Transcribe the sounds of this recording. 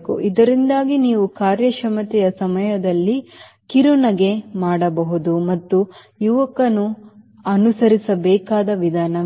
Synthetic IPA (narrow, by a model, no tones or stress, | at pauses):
kṵʔid̪ɐɾind̪aːɡiniːʋukaːɾjɐʃɐmɐt̪ɛjɐsɐmɐjɐd̪ɐlːi | kiɾunɐɡe̞maːɽɐbɐɦud̪umɐt̪ːu | juʋɐkɐnu | ɐnusɐɾisɐbɛːkaːd̪ɐʋid̪ʱaːnɐ